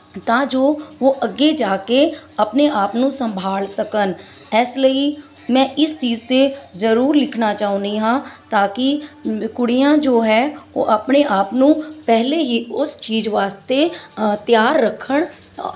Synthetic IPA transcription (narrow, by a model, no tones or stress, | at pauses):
t̪ãːd͡ʒoːʋoːʔəɡed͡ʒaːkeəpneaːpnũːsə̃mbʱaːlsəkən | ɛːsləiː | mɛ̃ːʔɪst͡ʃiːzt̪ezəɾuːɾlɪkʰnaːt͡ʃaːɦʊ̃nd̪iːɦãːt̪aːkɪkʊɽijãːd͡ʒoːɦɛːo̰ːʔəpneʔaːpnũːpɛɦleɦiːʊst͡ʃiːzʋaːst̪et̪jaːɾːəkʰːəɳ